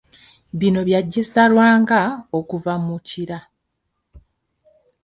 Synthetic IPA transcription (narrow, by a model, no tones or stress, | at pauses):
βino̞βjaɟːesalwaːŋɡaokuvamuciɾa